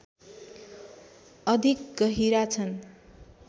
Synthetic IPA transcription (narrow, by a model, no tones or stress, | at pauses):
ʌd̪ʱik̚ɡʌɦiɾat͡sʰʌn